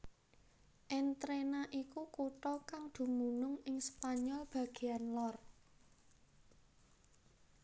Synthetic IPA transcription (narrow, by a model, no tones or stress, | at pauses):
ʔɛnt̪ɾenaʔikukuʈɔkaŋd̪̥ṳmunʊŋɪŋspaɲɔlb̥ä̤ɡ̥e̤anlɔr